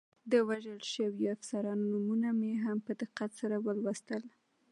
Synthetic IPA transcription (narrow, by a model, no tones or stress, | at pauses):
d̪əwaʒəlʃəwiafsaɾɑnnumunameɦampəd̪ɪqːat̪saɾawəlwast̪əl